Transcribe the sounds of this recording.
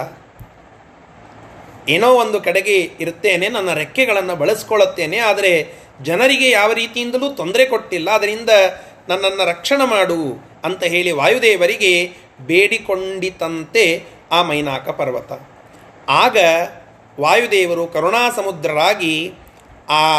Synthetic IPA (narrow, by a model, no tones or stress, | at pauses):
eːnoːond̪ukɛɽeɡeiɾt̪ːeːne̞nɐnːɐɾekːɛɡɐɭɐnːubɐɭɐsi̥koɭut̪ːe̞ːne̞aːd̪ɐɾe̞ | d͡ʒɐnɐɾiɡe̞jaːʋɐɾiːt̪ijind̪ɐluːt̪o̞nd̪ɐɾe̞ko̞ʈːilːɐːd̪ɐɾind̪ɐ | nɐnːɐnːɐɾɐkʂɐɳɐmaːɽu | ɐnt̪ɐɦe̞ːɭiʋaːjud̪eːʋɐɾiɡe̞ | beːɽiko̞ɳɖit̪ːɐnt̪e̞ | aːmɐjnaːkɐpɐɾʋɐt̪ɐ | aːɡɐ | ʋaːjud̪eːʋɐɾukɐɾuɳaːsɐmud̪ɾɐɾaːɡi | aː